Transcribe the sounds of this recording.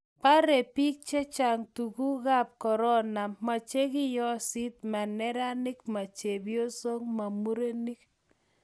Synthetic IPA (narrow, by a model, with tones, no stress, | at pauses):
pa˦ɾe˨pi˦k̚t͡ʃɛ˦t͡ʃa˨ŋtu˨ku˦ɣa˦p̚kɔ˨ɾɔ˦na˨ma˨t͡ʃe˦kɪ˦jɔ˦sɪ˦t̪̚ma˨nɛ˦ɾa˦nɪ˦kma˨t͡ʃe˨bjo˦so˦ŋma˨mu˦ɾe˦ni˦k